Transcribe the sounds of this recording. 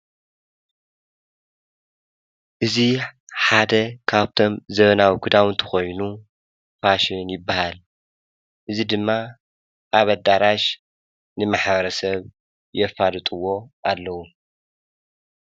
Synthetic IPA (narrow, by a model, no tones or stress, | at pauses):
ʔɨziħad̪ɐkʰaβt̪ʰo̞mzɐβɐnawikʰud̪awɨnt̪ʰɨ̥xo̞jnu | faʃnjɪbːahal | ʔɨzid̪ɨmːa | ʔaβɐd̪aɾaʃ | nɨmaħbɐɾɐsɐβ | jɛfalɨt̪ʼuwo̞ʔalːɐwu